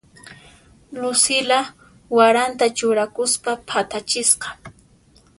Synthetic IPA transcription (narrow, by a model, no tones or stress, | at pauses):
lʊsɪla | waɾant̪at͡ʃʊɾakʊspapʰat̪at͡ʃɪsqɑ̥